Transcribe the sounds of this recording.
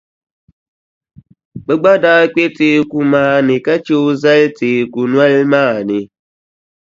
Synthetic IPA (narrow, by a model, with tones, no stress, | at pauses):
ɓə˦ɡ͡ba˦da˦k͡pʲe˦te˦ku˨maː˦ni˨ka˦t͡ʃe˦wzɛ˦lte˨ku˨nwa˦lmaː˦˨ni˨